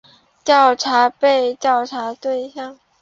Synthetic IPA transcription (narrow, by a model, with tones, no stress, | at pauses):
t͡ɕ̪jɑ˥˩ʊʈ͡ʂʰa˧˥pe˥˧ɪt̪jɑ˥˩ʊʈ͡ʂʰa˧˥t̪we˥˧ɪɕjɑ˥˩ŋ